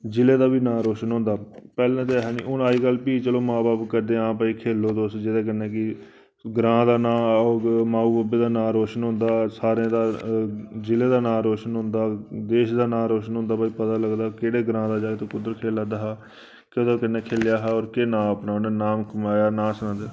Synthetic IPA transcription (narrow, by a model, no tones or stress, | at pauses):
d͡ʒɪleːd̪aːbiːnãːɾoːʃənɦʊ̃ːnd̪aːpɛːlãːt̪eɦɛːnḭːʊnaːiːkəlpiːt͡ʃəloːmãːbaːpkəɾd̪eːãːpaːiːkʰeːlːoːd̪oːsd͡ʒɪd̪eːk̬ɪnːeːk̬ɪ | ɡɾãːd̪aːnãːoːmãːuːbəbeːd̪aːnãːɾoːʃənɦʊ̃nd̪aːsaːɾẽːd̪aː | d͡ʒɪleːd̪aːnãːɾoːʃənɦʊ̃nd̪aːd̪eːʃd̪aːnãːɾoːʃənɦʊ̃nd̪aːpaːipət̪aːləɡd̪aːkeːɽeːɡɾãːd̪aːd͡ʒaːt̪eːkʊd̪əɾkʰeːlaːd̪aːɦaː | keoːd̪aːkɪnːeːkʰeːljaːɦaːɔːɾkenãːəpnaːʊneːnaːmkəmaːjaːnãːsənãːd̪eː